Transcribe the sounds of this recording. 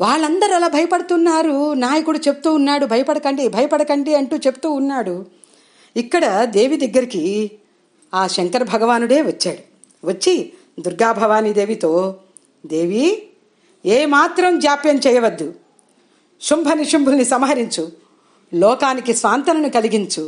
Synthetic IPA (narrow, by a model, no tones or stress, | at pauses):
ʋaːɭːɐnd̪ɐɾɐlaːbʱɐjɐpɐɽɐt̪unːaːɾunaːjɐkuɽut͡ʃe̞pu̥t̪uːnːaːɽubʱɐjɐpɐɽɐkɐɳɖibʱɐjɐpɐɽɐkɐɳɖiɐɳʈuːt͡ʃe̞pu̥t̪uːnːaːɽu | ikːɐɽɐd̪e̞ːʋid̪ɐɡːɐɾiki | aːʃɐŋkɐɾbʱɐɡɐʋaːnuɽe̞ːʋɐt͡ʃːaːɽu | ʋɐt͡ʃːi | d̪uɾɡaːbʱɐʋaːnid̪e̞ːʋit̪o̞ː | d̪e̞ːʋi | eːmaːt̪ɾɐmd͡ʒaːpjɐmt͡ʃɛːjɐʋɐd̪ːu | ʃumbʱɐniʂɐmbʱulnisɐmɐɦɐɾiɲt͡ʃu | lɔːkaːnikisʋaːnt̪ɐnɐnukɐliɡiɲt͡ʃu